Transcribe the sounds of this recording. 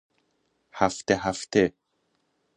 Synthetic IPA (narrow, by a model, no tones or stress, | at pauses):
hæft̪eɦæft̪ʰe